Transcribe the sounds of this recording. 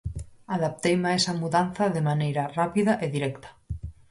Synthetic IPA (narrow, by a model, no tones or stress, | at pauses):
aðap̚t̪ejmaesamuðanθaðemanejɾarapiðaʔeðiɾekt̪ḁ